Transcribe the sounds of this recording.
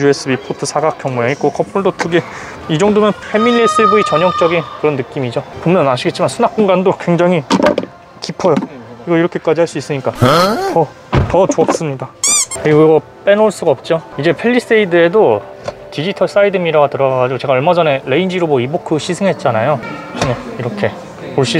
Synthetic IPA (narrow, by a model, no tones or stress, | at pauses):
ue̞s͈ʰɯbipʰotʰɯsʰaɡak͈jʌŋmujeɲik͈okʰʌpʰuɭdotɯɡe | id͡ʑʌŋdomjʌnpʰe̞milːes͈ɯbuit͡ɕʌɲjʌŋt͡ɕ͈ʌɡinkɯɾʌnːɯk͈imid͡ʑopomjʌnaɕʰiɡe̞t̚t͡ɕ͈imansʰunak̚k͈uŋɡandokweŋd͡ʑaŋɦi | kipʰʌjʌiɡʌiɾʌkʰe̞k͈ad͡ʑihaɭs͈uis͈ɯɲik͈aʌ | tʌt͡ɕoak̚s͈ɯmɲidakɯɾiɡuɡʌ | p͈e̞noɭs͈uɡaʌp̚t͡ɕ͈oid͡ʑe̞pʰe̞ʎːis͈eidɯe̞do | tid͡ʑitʰʌɭs͈aidɯmiɾaɡatɯɾʌɡaɡad͡ʑiɡot͡ɕe̞ɡaʌɭmad͡ʑʌne̞ɾe̞ind͡ʑiɾomʌibokʰːɯɕʰisʰɯŋɦe̞t̚t͡ɕ͈anajot͡ɕʰineiɾʌkʰe̞ | poɭɕ͈i